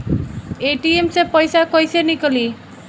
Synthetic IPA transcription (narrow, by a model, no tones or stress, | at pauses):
eʈiemsepəjsakɔjsenikli